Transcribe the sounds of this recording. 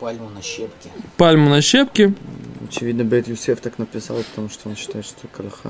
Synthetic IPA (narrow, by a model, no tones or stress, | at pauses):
palʲnɐɕepkʲɪpalʲmʊnɐɕepkʲɪɐ̰t͡ɕɪvʲid̪nəbʲet̪jʊsʲeft̪aknəpʲɪsa̰lˠpə̥t̪ɐmuʂt̪oonɕːɪ̥t̪ajɪt̪ʂt̪okəlɐxa̰